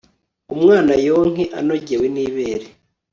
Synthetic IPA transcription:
umŋaːnajoːŋ̥eʔa̰no̞ɟeweniːβeːɾe

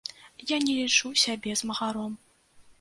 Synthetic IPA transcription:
janʲɛlʲit͡ʂusʲabʲɛzmɐɣaɾɔm

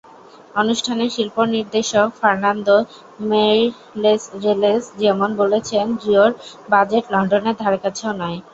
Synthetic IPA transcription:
onuʃʈʰaneʃilponiɾd̪eʃokfaɾnand̪o | meɾ | lesɾelesd͡ʑɛmonbolet͡ɕʰendioɾbad͡ʑeʈlɔɳɖoneɾd̪ʱaɾekat͡ɕʰeonɔe

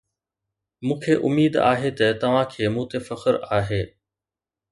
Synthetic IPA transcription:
mũːkʰeːʔʊmiːd̪a̰ːɦet̪ɐt̪ɐʋ̤ãkʰeːmũːt̪efɐxəɾaːɦeː

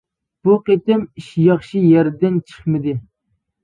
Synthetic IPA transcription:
b̥uqet̪ɪmiʃjɑχʃijæɾd̪ɪnt͡ʃʰə̥χmɪd̪ɪ

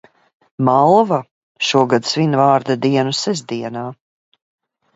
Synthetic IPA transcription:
malˠva | ʃuɔɡad̪svinvaːɾd̪ad̪iɛnusɛzd̪iɛnaː

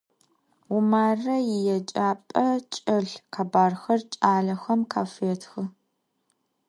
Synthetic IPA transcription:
ʊmaːrɐjɪjɛt͡ʃʼaːpʼɐt͡ʃʼɪɬqʰaːbaːrxɐrt͡ʃʼaːɮɐxɐmkʰaːfeːtʰxɨ

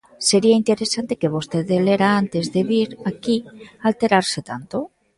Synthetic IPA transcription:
se̞ɾiaint̪eɾesant̪ekeβ̞ost̪eðeleɾaant̪ezðeβiɾakialt̪eɾaɾset̪ant̪o

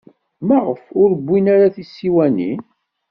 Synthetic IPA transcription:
maʁəfʊɾəbʷːinaɾaθisːiwænḭn

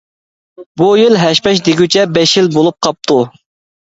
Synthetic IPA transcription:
bujilɦɛʃpɛʃ̬d̪eɡʲyt͡ʃʰɛbɛʃjilbolˠup̚qʰɑp̚t̪ʰu

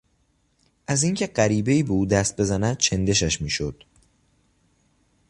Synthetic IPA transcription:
ʔæziːŋcʰe̞ɢæɾiːbe̞iːbeuːd̪æst̪̚be̞zænæd̪̥̚t͡ʃʰend̪e̞ʃæʃmiːʃod̪̥

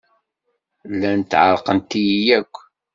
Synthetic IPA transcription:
lːænt̪ːʕə̰ɾqənt̪ːijijækʷː

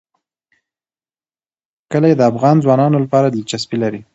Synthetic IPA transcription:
kəlajed̪əafɣɑnzwɑnɑnolapɑɾad̪it͡ʃaspilaɾi

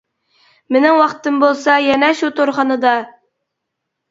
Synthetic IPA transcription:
mɘ̆nɘŋwɑqt̪ɤmbolˠsɑjænæʃut̪oɾχɑnɤd̪ɑ

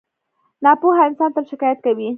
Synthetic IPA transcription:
nɑpuɦaɪnsɑnt̪əlʃɪkɑjat̪̚kawi

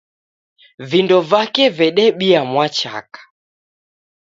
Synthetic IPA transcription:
vindɔvakɛvɛɗɛɓiamwat͡ʃa̰kḁ

